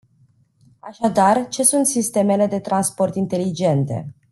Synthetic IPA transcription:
aʃad̪art͡ʃe̞sunt̪sist̪e̞me̞le̞d̪e̞t̪ɾanspo̞rt̪int̪e̞lid͡ʒe̞nt̪e̞̰

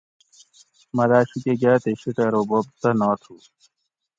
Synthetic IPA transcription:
mɐlaːɕukeɡaːt̪eɕiʈ̪ɐɾobob̚t̪ɐnɔːt̪ʰu

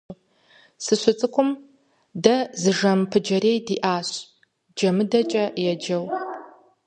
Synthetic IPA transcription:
sɨɕʷʊt͡sʼɨkʷʰʼʊm | dɐzɨʒɐmpʰɨd͡ʒɐɾeːjdiːʔaːɕʼ | d͡ʒɐmɨdɐt͡ʃʼɐjɛd͡ʒɐw

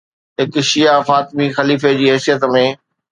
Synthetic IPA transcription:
ɦɪkʃijafaːt̪mixɐliːfed͡ʑiːɦɛːsijət̪mẽː

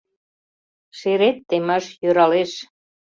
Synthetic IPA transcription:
ʃeɾet̪ːeməʃjøɾɑleʃ

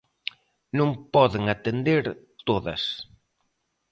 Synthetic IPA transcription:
nõŋpɔðeŋat̪end̪eɾ | t̪oðɐ̰s

